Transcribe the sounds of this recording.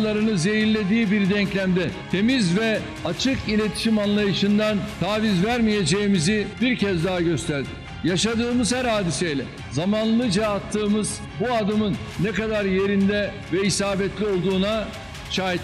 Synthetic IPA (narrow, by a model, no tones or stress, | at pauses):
lˠaɾɯnɯze̞jiɾlʲe̞d̪iːbiɾd̪ɛɲclʲæmd̪ɛt̪ʰe̞mizvɛ | at͡ʃʰɯkilʲe̞t̪ʰi̥ʃimanlˠajɯʃɯnd̪ant̪ʰaːvizvæɾmije̞d͡ʒejimizibiɾcʰɛzd̪aɦaɟø̞st̪ʰæɾd̪ɪ | jaʃad̪ɯːmɯzhæɾhaːd̪isejlʲɛ | zamanlˠɯd͡ʒaːt̪ʰːɯːmɯz | buad̪ɯmɯnːɛkad̪aɾje̞ɾind̪ɛ | vɛisaːbɛt̪lʲio̞lˠd̪uːna | ʃaːɦit̪